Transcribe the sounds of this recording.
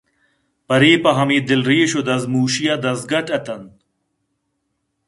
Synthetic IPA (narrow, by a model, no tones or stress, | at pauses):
pɐɾiːpɐɦɐmiːd̪ilɾiːɕod̪ɐzmuːɕijɐd̪ɐzɡɐʈɐt̪ɐn